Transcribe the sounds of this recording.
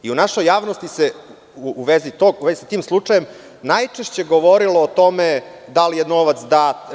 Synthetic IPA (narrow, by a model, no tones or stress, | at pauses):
iunaʃo̞jːaːʋnost̪ise | uːʋezit̪oɡuʋezisat̪iːmslˠut͡ʂajem | najt͡ʂeʃt͡ɕe̞ɡoʋoɾiloːt̪o̞me | d̪alijenoʋat̪sd̪aːt̪